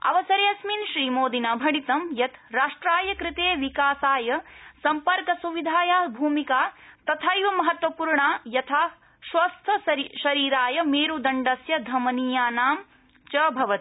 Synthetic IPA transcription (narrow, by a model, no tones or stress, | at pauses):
ɐ̰ʋɐsɐɾeːɐsminʃɾiːmoːd̪inaːbʱɐɽit̪ɐmjɐt̪ɾaːʂʈɾaːjɐkɾɪt̪eːʋikaːsaːjɐsɐmpɐɾkɐsuʋid̪ʱaːjaːbʱuːmikaːt̪ɐt̪ʰaːjʋɐmɐɦɐt̪ʋɐpuːɾɳaːjɐt̪ʰaː | ʃʋɐst̪ʰɐʃɐɾiːɾaːjɐmeːɾud̪ɐɳɖɐsjɐd̪ʱɐmɐniːjaːnaːm | t͡ʃɐbʱɐʋɐt̪i̥